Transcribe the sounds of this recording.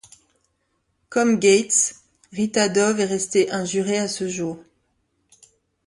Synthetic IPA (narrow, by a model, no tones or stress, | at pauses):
kɔmɡʲet̪s | ʁit̪ad̪ɔvɛʁɛst̪eʔɛ̃ʒyʁeasəʒuːʁ